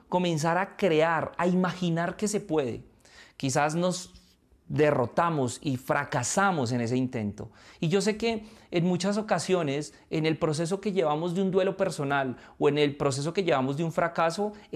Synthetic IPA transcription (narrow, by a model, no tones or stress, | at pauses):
ko̞mẽ̞ns̬aɾakɾe̞aɾaimaxinaɾke̞se̞pwe̞ðḛ | kis̬azno̞z | d̪e̞ro̞t̪amo̞sifɾakasamo̞s̬e̞ne̞se̞int̪ent̪o̞̰iʝo̞s̬e̞ke̞ːnmut͡ʃas̬o̞kasjo̞ne̞s | ene̞lpɾo̞s̬e̞s̬o̞ke̞ʝe̞βamo̞zd̪eund̪welo̞pe̞ɾso̞naloe̞ne̞lpɾo̞s̬es̬o̞ke̞ʝe̞βamo̞zd̪euɱfɾakaso̞